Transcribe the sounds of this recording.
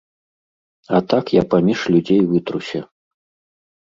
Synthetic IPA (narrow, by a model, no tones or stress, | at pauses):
ɐt̪akjapamʲiʂlʲud͡zʲejvɨt̪ɾusʲɐ